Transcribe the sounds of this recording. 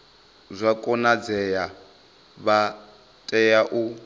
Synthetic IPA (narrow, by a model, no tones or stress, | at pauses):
zʷakʼɔnad͡zɛja | βa | tʼɛjaʔu